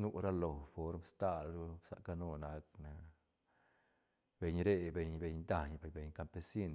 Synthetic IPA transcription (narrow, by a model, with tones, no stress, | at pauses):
nu˦ɾa˦lo˨fo˨˦ɾmst̪a˦˧lɾu˦sa̰˨ʔka˦˧nu˧na˨˦kna˧ | be˨ɲɾe˦˧be˧ɲbe˧ɲd̪a˧ɲbbe˨ɲka˧mpe˧si˦n